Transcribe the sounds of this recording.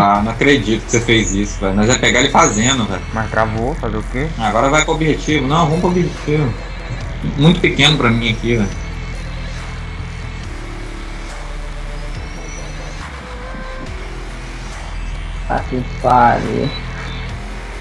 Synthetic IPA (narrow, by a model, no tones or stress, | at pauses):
anɐ̃w̃akɾed͡ʒit̪ʊkɪ̥sefejzisʊvɛlmɐzɛpeɡaelɪfazẽnd̪ʊvɛlmast̪ɾavofazeʊkeaɡɔɾɐvajkõobiʒet͡ʃivʊnɐ̃w̃võpobiʒet͡ʃivʊ | mũj̃t̪ʊ̥pikẽnʊpɾɐmĩɐkivɛj | t̪a̰kifaɾḛ